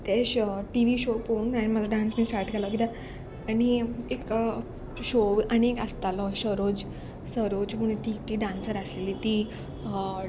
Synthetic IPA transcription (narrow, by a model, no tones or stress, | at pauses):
t̪ɛɕʈiʋiɕoponaniməlaɖãnsmiːsʈaɾʈkɛlɔkit̪ãː | ɽ̃iek | ɕoʋañiekast̪alɔɕəɾod͡ʑ | səɾod͡ʑmuɳt̪iʈiɖãnsəɾasleliːt̪i